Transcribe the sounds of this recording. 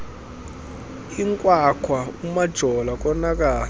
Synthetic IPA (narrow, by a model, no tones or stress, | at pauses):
iŋkʼwakʰwaumad̥ʒ̥ʱɔlak̬ʼɔnak̬ʼaː